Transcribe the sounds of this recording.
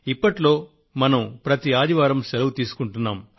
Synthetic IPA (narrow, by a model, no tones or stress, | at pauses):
ipːɐʈlo̞ː | mɐnɐmpɾɐt̪iaːd̪iʋaːɾɐmsɛlɐʋut̪iːsu̥kuɳʈunːaːm